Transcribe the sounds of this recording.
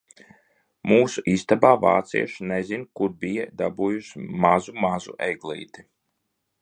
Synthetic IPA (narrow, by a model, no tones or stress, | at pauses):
muːsuʔist̪abaːva̰ːt̪sḭɛʃnɛzinkuɾbijɛd̪abuːjuʃmazumazṵʔɛjɡlˠḭːt̪i